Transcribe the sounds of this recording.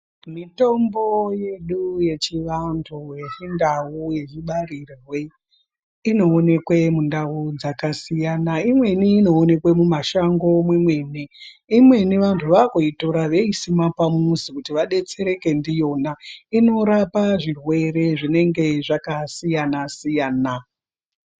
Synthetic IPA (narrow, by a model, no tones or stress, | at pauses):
mito̞mbo̞je̞ɗuje̞t͡ʃiʋantʰujeindauje̞d͡ʒiɓarirwe | ino̞ːne̞kwe̞mundaud͡zakasijanaimwe̞niːno̞ːne̞kwemumaʃaŋɡo̞mwemwe̞ni | imwe̞niʋantʰuʋakoitoɾaʋe̞isimapamuzikutiʋaɗe̞t͡se̞ɾe̞ke̞ndijo̞naino̞ɾapaʐirwe̞ɾe̞ʐine̞ŋɡe̞ʐakasijanasijaːna